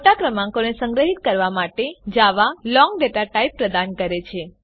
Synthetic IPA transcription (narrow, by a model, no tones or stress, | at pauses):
oʈakɾəmãŋkonesə̃ŋɡɾəɦit̪̚kəɾʋamaʈed͡ʒaʋalɔ̃ŋɡɖeʈaʈaipːɾəd̪ankəɾet͡ʃʰe